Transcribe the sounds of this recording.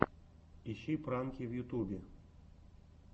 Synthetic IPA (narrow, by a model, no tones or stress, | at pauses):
iɕipɾankʲiwjut̪ubʲe